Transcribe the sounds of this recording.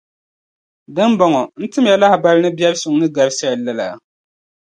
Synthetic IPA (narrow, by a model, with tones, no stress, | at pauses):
dɨ˦mbɔ˨ŋɔ˨n̩˦tɨ˦m˦jɛ˨la˦hɪ˨ba˦lɨ˦nɨ˦bɛ˦lsʊ˨ŋ˦nɨ˦ɡa˨ɾsa˦ja˨la˦la̰˨